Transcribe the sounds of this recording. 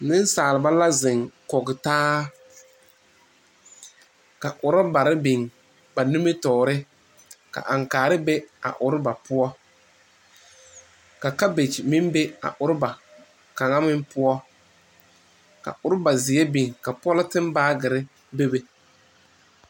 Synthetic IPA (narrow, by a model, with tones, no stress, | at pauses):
nɪ˦n˦saː˨lɪ˨ba˦la˦zɪ˨ŋkɔ˨ɡɪ˨taː˦ | ka˨ʔʊ˨ɾɔ˦ba˨ɾɪ˦bi˨ŋ | ba˨nu˦me˦tɔː˨ɾɪ˦ | ka̰˨ʔa˨ŋkaː˨ɾɪ˦be˦a̰˨ʔʊ˨ɾɪ˦ba˨pʊ˦ɔ˦ | ka˨ka˦be˨t͡ʃmi˦mbe˦a̰˨ʔʊ˨ɾɪ˦ba˨ | ka˨ŋa˦mɪ˦mpʊ˦ɔ˦ | ka̰˨ʔʊ˨ɾɪ˦ba˨zɪ˨ɛ˦bi˨ŋka˨pɔ˦lɪ˦tɪ˦m˦baː˦ɡɪ˨ɾɪ˦ | be˦be˨